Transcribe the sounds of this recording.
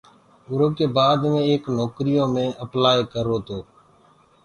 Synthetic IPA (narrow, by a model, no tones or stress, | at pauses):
ʊɾoːkeːbaːd̪mẽːeːknoːkɾijõːmẽːʔəplaːekəɾoːt̪oː